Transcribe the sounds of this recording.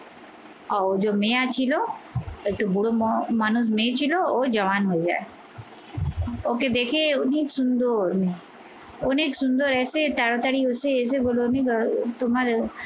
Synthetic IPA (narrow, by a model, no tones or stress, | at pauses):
ad͡ʒoːmẽat͡ʃʰiloekʈubuɽomanʊs̬mẽt͡ʃʰilood͡ʒɐʋaːnɦod͡ʒa̰ːe | oːked̪eːkʰeʊneːksʊnd̪oɾne | oneːksʊnd̪oːɾɛːset̪aɽot̪aɽiʊseɛs̬eboːlonikt̪ʊmaɾ